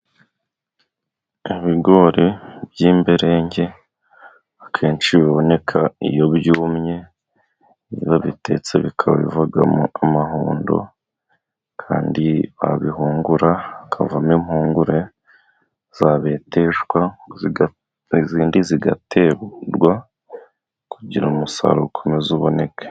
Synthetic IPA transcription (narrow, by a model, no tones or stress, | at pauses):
iβiɡo̞ɾebjiːmbeɾe̞ːɲɟe̞ | akʰeːnt͡ʃiβiβo̞ne̞kʰaḭjo̞bjuːmɲe̞ | βiβaβite̞̰t͡se̞βikʰaβa̰βḭvaɡa̰amahuːndo̞̰ | kʰa̰ːndiβa̰βihuːŋɡuɾaːkʰa̰vamimhuːŋɡuɾe̞ | z̥aβe̞ːte̞ʒwa | ziːndiziɡa̰tʰe̞ːβɾɡwa | kuɟiɾumusa̰ɾukʰomezuβo̞ne̞kʰe̥